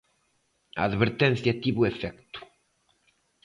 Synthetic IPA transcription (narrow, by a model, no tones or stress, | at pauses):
ɐ̰aðβeɾt̪ẽnθjɐt̪iβuefɛkt̪u̥